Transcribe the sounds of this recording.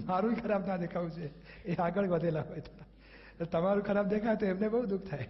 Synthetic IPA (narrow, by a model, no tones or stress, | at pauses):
maɾũikʰəɾabnad̪ekʰaʋũt͡ʃʰe | eãɡəɭʋəd̪ʱelaɦojt̪ʰoa | ot̪əmaɾũkʰəɾab̚d̪ekʰajt̪oemnebəɦud̪uk̚ʰt̪ʰaj